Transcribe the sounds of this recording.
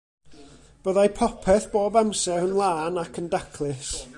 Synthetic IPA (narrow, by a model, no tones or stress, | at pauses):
b̥əðajpʰɔpʰɛθb̥oːbamsɛənlˠaːnakʰəndakʰlˠɨs